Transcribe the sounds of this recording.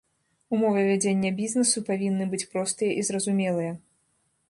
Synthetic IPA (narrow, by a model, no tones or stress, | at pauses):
umɔvɛvʲad͡zʲenʲːɐbʲiznɛsupavʲinːɨbɨt͡sʲpɾɔst̪ɨjɐʔizɾɐzumʲɛlˠɨjɐ